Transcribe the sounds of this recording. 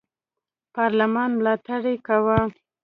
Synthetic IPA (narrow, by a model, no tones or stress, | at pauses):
pɑɾlamɑnmlɑt̪aɽekawa